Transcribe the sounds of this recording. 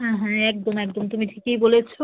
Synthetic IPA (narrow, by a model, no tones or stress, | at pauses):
ɦɛ̃ɦɛ̃ɛk̚d̪omɛk̚d̪omt̪umiʈʰikejbolet͡ɕʰo